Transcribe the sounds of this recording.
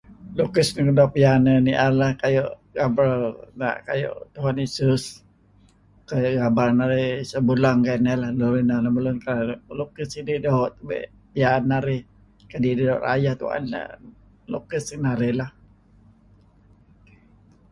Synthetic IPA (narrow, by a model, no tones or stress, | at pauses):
lokəsnəkədapijanəniʔalahkajoʔɡabɾəlna̰ʔkajo̰ʔt̪uɦanisəs | kajʔɡabalnaɾɪsəbulaŋkanɛlahloɾinanaməlʊnkalalokəsididaoʔt̪bḛʔ | pijanːaɾɪ | kadidəoʔɾa̰jaht̪ṵa̰na̰ | lokəsnaɾɪlah